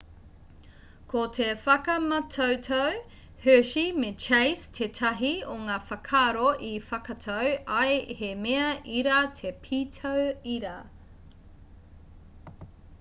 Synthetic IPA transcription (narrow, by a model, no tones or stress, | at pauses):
kʰotʰefɐkɐmɐtʰɐwtʰɐw | høʃimet͡ʃejstʰetʰɐɦioŋaːfɐkʰaːɾoʔifɐkɐtʰɐwɐjhemeɐʔiɾatʰepʰitʰɐwiɾa